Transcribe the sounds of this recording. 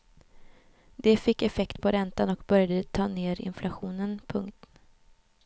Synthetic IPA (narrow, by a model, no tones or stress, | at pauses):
d̪ɛfɪkːɛfɛkt̪pʰɔɾɛnt̪anɔkbœɾjad̪ət̪ʰɑːneːɾɪ̰nflʔaɧuːnənpʰɵŋkt̪